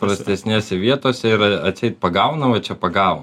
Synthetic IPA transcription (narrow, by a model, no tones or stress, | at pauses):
pɾɐsʲt̪ʲɛsʲnʲeːsʲɛʋʲiɛt̪oːsʲɛɪɾɐɐt̪sʲɛɪt̪̚pɐɡɐʊnɐʋɐt͡ʃʲɛpɐɡɐʊn